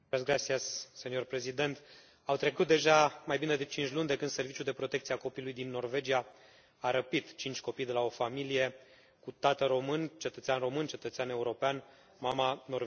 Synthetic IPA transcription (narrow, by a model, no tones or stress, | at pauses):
asɡɾat̪siassenio̞rpɾe̞zid̪e̞nt̪ | awt̪ɾe̞kut̪̚d̪e̞ʒamajbine̞d̪e̞t͡ʃint͡ʃʲlunʲd̪e̞kɨnd̪se̞rvit͡ʃuld̪e̞pɾo̞t̪e̞kt̪sieako̞pilujd̪inːo̞rve̞d͡ʒija | aɾəpit̪t͡ʃint͡ʃʲko̞pijd̪e̞lao̞familije̞ | kut̪at̪əɾo̞mɨnt͡ʃe̞t̪ət̪seanro̞mɨnt͡ʃe̞t̪ət̪seane̞uɾo̞pean | mamano̞rv